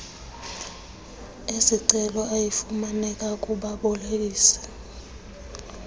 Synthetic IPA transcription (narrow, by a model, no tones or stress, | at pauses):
esiǀɛlɔajifumanɛkʼakʼuɓaɓɔleiːsɛ̥